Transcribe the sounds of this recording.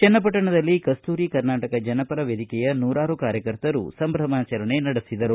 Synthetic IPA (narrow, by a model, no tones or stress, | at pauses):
t͡ʃɛnːɐp̬ɐʈːɐɳɐd̪ɐlːikɐst̪uːɾikɐɾnaːʈɐkɐd͡ʒɐnɐpɐɾɐʋjed̪ikɛjɐnuːɾaːɾukaːɾjɐkɐɾt̪ɐɾṵsɐmbʱɾɐmaːt͡ʃɐɾɐɳenɐɽisid̪ɐɾu